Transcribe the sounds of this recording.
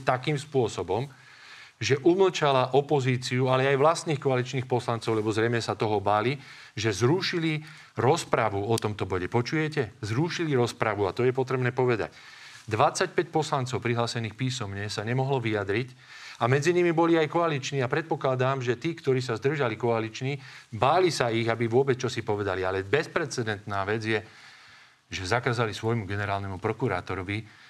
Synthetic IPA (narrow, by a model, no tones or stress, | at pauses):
t̪akiːmspʊɔsɔbɔm | ʒɛʔuml̩t͡ʃalaʔɔpɔziːt͡siualɛajʋlast̪niːxkɔalit͡ʃniːxpɔslant͡sɔʊlɛbɔzɾɛjmɛsat̪ɔɦɔbali | ʒɛzɾuʃili | ɾɔspɾaʋuɔt̪ɔmt̪ɔbɔɟɛpɔt͡ʃujɛcɛzɾuʃiliɾɔspɾaʋuat̪ɔjɛpɔt̪ɾɛbnɛːpɔʋɛd̪a̰c | d̪ʋat͡sacpɛc̚pɔslantt͡sɔʊpɾiɦlaːsɛniːxpiːsɔmɲɛsaɲɛmɔɦlɔʋiad̪ɾic | amɛd͡ziɲimibɔliajkɔalit͡ʃniːapɾɛt̪̚pɔklad̪aːmʒɛt̪iːkt̪ɔɾiːsazd̪r̩ʒalikɔalit͡ʃnibaːlisaiɣabiʋʊɔbɛt͡st͡ʃɔsipɔʋɛd̪alialɛbɛspɾɛt͡sɛd̪ɛnt̪naːʋɛd͡zjɛ | ʒɛzakaːzalisʋɔjmuɡɛnɛɾaːlnɛmupɾɔkuɾa̰ːt̪ɔɾɔʋi